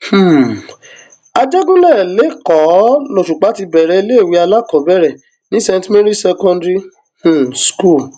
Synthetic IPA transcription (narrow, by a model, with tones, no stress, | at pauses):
h̩˦˨ | a˧d͡ʒɛ˦ɡũ˦lɛ˦˨le˨˦kɔ˨˦lo˨ʃu˨k͡pa˨˦ti˧bɛ˨ɾɛ˨˧i˧˦le˦˨wi˧˦a˧la˦kɔ˨˦bɛ˦˨ɾɛ˨ | nĩ˦sɛ̃˧n˦tmɛ̃˦ɾi˦sɛ˧kɔ̃˧ndɾi˦ | h̩˦˨sku˦˨